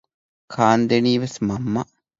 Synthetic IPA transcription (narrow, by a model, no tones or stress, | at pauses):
kʰaːnd̪eniːʋesmɐmːɐ